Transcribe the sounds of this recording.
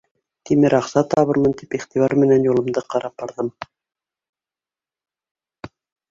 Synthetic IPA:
t̪imɘɾɑχsɑt̪ɑβɤɾmɤnt̪ipiχt̪iβɑɾmɘ̆nænjulˠɤ̆md̪ɤqɑɾɑp̚bɑɾðɤm

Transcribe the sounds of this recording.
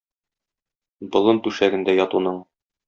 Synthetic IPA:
bŏlˠɤnt̪ʉʃæɡɘ̆nd̪æjɒt̪unɤɴ

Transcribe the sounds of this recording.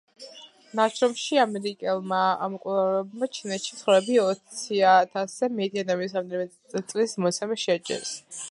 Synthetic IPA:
nat͡ʃʰɾɔmʃiamɛɾikʼɛlˠmaamɔkʼulˠavɾɛbmat͡ʃʰinɛt̪ʃisχɾɛbiɔt̪ssʰiat̪ʰaszɛmɛt̪ʼiad̪amisɾamd̪ɛmɛ | t̪sʼlismɔt̪sʰɛmɛʃɛd͡ʒʼɛ̰s

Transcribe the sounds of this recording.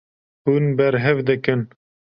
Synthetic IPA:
hunbɛɾɦɛvd̪ɨkɨn

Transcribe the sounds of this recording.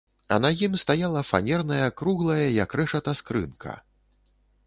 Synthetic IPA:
ɐ̰najimst̪ajalˠɐfa̰nʲɛrnɐjɐkɾuɣlˠɐjɐjɐkɾɛʂɐt̪askɾɨ̰nkʰɐ̰

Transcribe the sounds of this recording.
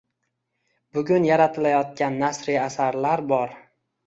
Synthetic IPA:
bʊɡʲʊnjaɾat̪ʰɪlajɒt̪̚kʲanːasɾiasaɾlaɾbɒɾ

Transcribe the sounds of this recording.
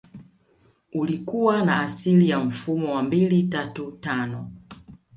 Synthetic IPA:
ulikuwanaːsilijam̩fumɔwambilitatutanɔ

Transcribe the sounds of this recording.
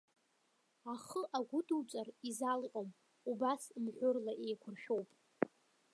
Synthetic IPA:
aχəʔaɡʷʊduwt͡sʷʼarizalqʲʼom | ubasmħʷʊrlaʔejkʷʰʊrʃᶣowpʼ

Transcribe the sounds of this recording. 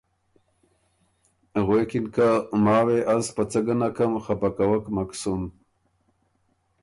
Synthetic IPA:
ɣwekɪnkamɑːweʔaspət͡səɡənakamxapakawəkmaksum

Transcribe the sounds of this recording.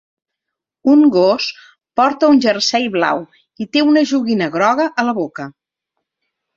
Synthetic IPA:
uŋɡos | pɔɾt̪əunʲʒərsɛjβla̰w | it̪eunəʒuɣinəɣɾɔɣəʔələβokə

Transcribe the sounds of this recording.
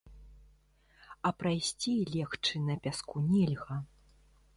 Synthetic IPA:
ɐpɾajsʲt͡sʲilʲɛxt͡ʂɨnɐpʲaskunʲɛlʲɣɐ

